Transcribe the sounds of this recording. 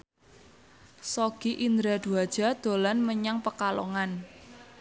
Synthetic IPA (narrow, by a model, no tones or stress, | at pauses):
soɡ̥iʔind̪ɾad̪̥ṳad̥ʒ̥a̤d̪̥o̤lanməɲaŋpəkalɔŋan